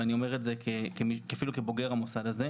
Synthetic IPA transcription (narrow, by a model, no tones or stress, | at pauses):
anio̞me̞ʁetzekekemikafilukebo̞ɡe̞ʁamosadaze